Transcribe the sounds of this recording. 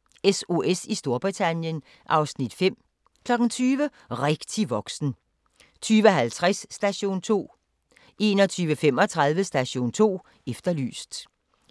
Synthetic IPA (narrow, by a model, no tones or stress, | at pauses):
eso̝ʔesisd̥o̝ɐb̥ʁit͡sʰænjən | ʔɑ̈ʊsnid̥fem̰ | kʰlɒ̽ɡ̥ŋ̩t͡sʰyːʋə | ʁeɡ̥t͡sʰiʋɒ̽ɡ̥sn̩ | t͡sʰyːʋəɦælt͡sʰʁasːd̥æɕo̝̰ːnt͡sʰo̝̰ː | ʔe̝ːnɒt͡sʰyːʋəfem̰ɒ̽t͡sʰʁɑ̈ð̞ˠʋəsd̥æɕo̝̰ːnt͡sʰo̝̰ː | efd̥ɐly̰ːsd̥